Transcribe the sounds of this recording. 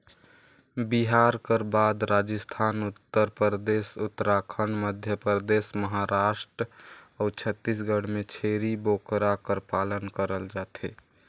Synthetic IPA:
biɦaɾkəɾbad̪ɾad͡ʒəst̪ʰanut̪ːəɾpɾɾd̪esʊt̪ːɾakʰəɳməd̪ʱjəpɾəd̪esməɦaɾaʃʈɾəɔt͡ʃʰət̪ːis̬ɡəɽ̤met͡ʃʰeɾibokɾakəɾpalənkəɾəld͡ʒat̪ʰe

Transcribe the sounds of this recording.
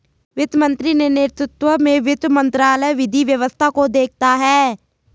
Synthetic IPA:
ʋɪt̪mə̃nt̪ɾinenɪɾt̪ɾɪt̪ʋəmẽʋɪt̪mə̃nt̪ɾaːləjʋɪd̪ʱiʋjəʋəst̪ʰakod̪eːk̚ʰt̪aɦɛː

